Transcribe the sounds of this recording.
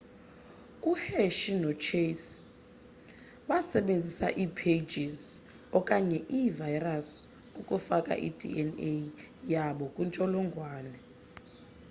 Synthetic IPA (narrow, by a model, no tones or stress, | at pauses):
uheʃinɔt͡ʃʰes | ɓasɛɓend͡zʱisa̰ʔipʰed͡ʒiz | ɔkʼaɲɛʔivajras | ukʼufakʼa̰ʔḭdʱḭʔɛnejaɓɔkʼwunt͡ʃʼɔlɔŋɡʱwaːnɛ